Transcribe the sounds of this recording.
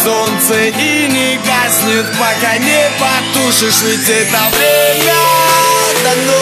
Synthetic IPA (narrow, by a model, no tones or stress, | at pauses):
sont̪sɨinʲɪkasʲnʲʊt̪̚pɐkanʲepɐt̪uʂɨʂɨtʲet̪ɐvɾʲemʲɐ | t̪ɐn